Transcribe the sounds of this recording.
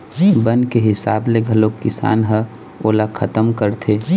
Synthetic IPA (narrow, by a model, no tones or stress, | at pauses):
bənkeɦɪsaːbleɡʱəlokɪsa̰ːnɦə | oːlakʰət̪əmkəɾt̪ʰe